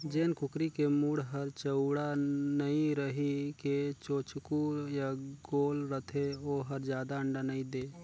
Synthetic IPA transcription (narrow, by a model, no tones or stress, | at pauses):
d͡ʒeːnkʊkɾikemuːɽɦəɾt͡ʃəʊɽanəĩɾəɦiket͡ʃoːt͡ʃkujaɡoːlɾət̪ʰeoːɦəɾd͡ʒjaːd̪aəɳɖanəĩd̪eː